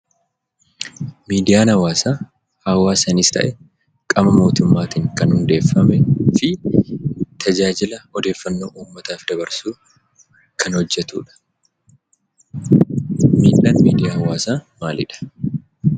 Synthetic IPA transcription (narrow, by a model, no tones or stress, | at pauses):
miːd̪ɪjaːnhɐwaːsaː | hɐwːaːsɐnɪst̪ɐ̰ʔɛ | kʼɐmɐmo̞ːt̪ʊmːaːt̪iːŋkɐnhʊnd̪e̞ːfːɐmɛfɪ | t̪ʰɐd͡ʒaːd͡ʒɪlɐɔd̪e̞ːfːɐnːoːʔuːmːɐt̪aːfd̪ɐbɐɾsuː | kʰɐnhɔd͡ʒːɛt̪ṵːᶑɐ̥ | miːᶑɐnmiːd̪ɪjaːhɐwaːsaːmaːlɪ̰ᶑɐ̥